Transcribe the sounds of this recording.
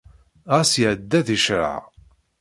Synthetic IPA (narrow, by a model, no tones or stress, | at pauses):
ʁæsjʕəd̪ːæðiʃɾə̰ʕ